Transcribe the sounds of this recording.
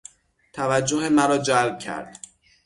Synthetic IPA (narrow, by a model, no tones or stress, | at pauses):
t̪ʰævæd͡ʒːoɦemæɾɒːd͡ʒælb̥̚cʰæ̰ɾd̪̥